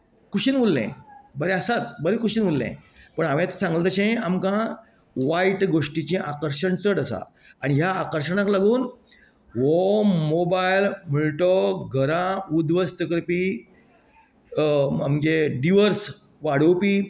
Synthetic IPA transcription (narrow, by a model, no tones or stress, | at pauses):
kuɕinʋulːḛ̃bəɾeəsat͡sbəɾekuɕinʋulːḛ̃pəɳamẽt̪sãŋɡlət̪əɕẽamkã | ʋaiʈɡoʂʈit͡ɕẽʔakəɾʂəɳt͡səɽəsa̰ | aɽ̃iɦjaːkəɾʂəɳaklaɡuːn | ʋomobajlm̤əɭʈoɡʱəɾãud̪ʋəst̪əkəɾpi | amd͡ʑeɖiʋəɾs | ʋaɽ̤əwpiː